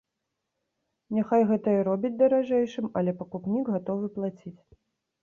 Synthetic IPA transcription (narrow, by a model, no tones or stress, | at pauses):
nʲaxajɣɛt̪ɐjɐɾɔbʲid͡zʲd̪ɐɾaʐɛjʂɨmɐlʲɛpɐkupnʲiɡɣat̪ɔvɨplˠat͡sʲit͡sʲ